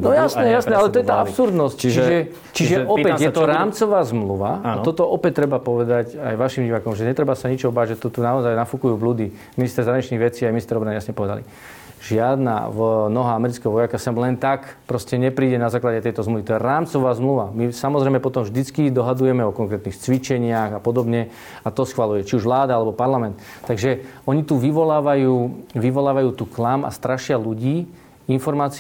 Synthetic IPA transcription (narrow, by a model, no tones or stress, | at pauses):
nɔjasnɛjasɛalɛt̪ɔjɛt̪aːapsuɾd̪nɔsct͡ʃt͡ʃiʒɛ | t͡ʃiʒɛɔpɛjɛt̪ɔɾaːmt͡sɔʋaːzmluʋaat̪ɔt̪ɔʔɔpɛc̚t̪ːɾɛbapɔʋɛd̪acajʋaʃimɟiʋaːkɔmʒɛɲɛt̪ɾɛbasaɲit͡ʃɔɦɔbaːɟʒɛt̪ut̪unaɔzajnafukujuːbluːd̪i | minist̪ɛɾzaɦɾaɲit͡ʃniɣʋɛt͡siːajminist̪ɛɾɔbɾanijasɲɛpɔʋɛd̪a̰lḭ | ʒɪad̪na̰vnɔɦaamɛɾit͡skɛɦɔʋɔjakasɛmlɛnt̪akpɾɔscɛɲɛpɾiːɟɛnazaːklaɟɛt̪ɛjt̪ɔzmluʋit̪ɔjɛɾaːmt͡sɔʋaːzmluʋamisamɔzɾɛjmɛpɔt̪ɔmʒd̪it͡skid̪ɔɦad̪ujɛmɛɔkɔŋkɾɛt̪nixt͡sʋit͡ʃɛɲɪaɣapɔd̪ɔbɲɛ | at̪ɔsxʋalujɛt͡ʃiuʒʋlaːd̪aalɛbɔpaɾlamɛnt̪t̪ːaɡʒɛɔɲit̪uʋiʋɔlaːʋajuːʋiʋɔlaːʋajuːt̪uːklama̰st̪ɾaʃɪaluɟiː | infɔɾmaːt͡s